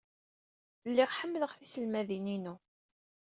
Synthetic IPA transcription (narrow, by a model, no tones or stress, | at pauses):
lːɪʁħəmːləʁθisəlmæðininu